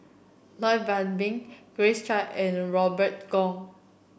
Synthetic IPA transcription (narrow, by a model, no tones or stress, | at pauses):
lɔɪbãnbĩŋɡ̥ɹest͡ʃaɛ̃nɹɔbət̚ɡɔ̃ŋ